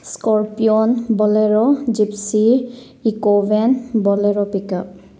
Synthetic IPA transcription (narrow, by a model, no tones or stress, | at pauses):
skɔɹpiɔnbɔlɛɹɔd͡ʒipsi | ikɔvenbɔlɛɹɔpikap̚